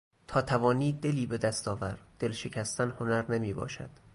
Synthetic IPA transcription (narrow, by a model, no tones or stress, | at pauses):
t̪ʰɒːt̪ʰævɒːniːd̪e̞liːbe̞d̪æst̪ɒːvæɾd̪̥e̞lʃe̞cʰæst̪ʰænho̞næɾnemiːbɒ̰ːʃæ̰d̪̥